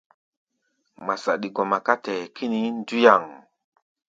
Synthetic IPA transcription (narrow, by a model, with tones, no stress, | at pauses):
ma˨sa̰˨ɗi˨ɡo˨ma˨ka˦tɛ˨kʰi˦ni˦n˦du˦ja˨ŋ